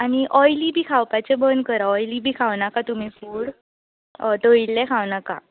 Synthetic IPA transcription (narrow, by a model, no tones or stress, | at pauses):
aɽ̃iʔɔjlibʱiːkʰawpat͡ɕebənkəɾaɔjlibʱiːkʰawnakat̪um̤ifuːɽ | t̪oilːɛkʰaʋnaka̰